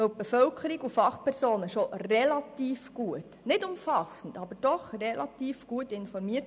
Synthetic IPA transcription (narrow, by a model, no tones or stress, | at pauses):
œw̚b̥efœlkʰəɾiɡufɑχpʰɛɾsoːnəʃorɛlɑtiːfɡ̥uətnɪdʊmfɑsən̩dɑbəɾd̥ɔχrɛlʔɑt̪iːfɡ̥uətɪnfɔɾmiːət